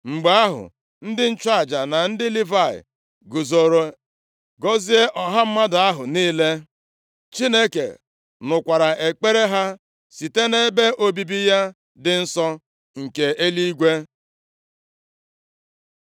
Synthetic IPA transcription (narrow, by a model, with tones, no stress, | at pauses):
ŋ͡m̩˨ɡ͡ba˨a˦ɦʊ̰˨ | n̩˦dɪ˦n̩˦t͡ʃa˦˨d͡ʒa˨na˨n̩˦dɪ˦li˦va˦˨ɪ̰˨ | ɡu˨zo˨ɾo˨ | ɡo˦zi˦e˦ʔɔ˨ɦa˦m̩˦ma˦da˨a˦ɦʊ˨niː˦le˦ | t͡ʃi˦ne˦kḛ˨ | nʊ˨kʷa˨ɾa˨ʔe˨k͡pe˦ɾe˦ɦa˦ | si˨te˦ne˦be˦ʔo˦bi˦bi˦ja˦ | dɪ˦n̩˦sɔ˦ | ŋ̩˨ke˨e˦li˦i˦ɡʷe˦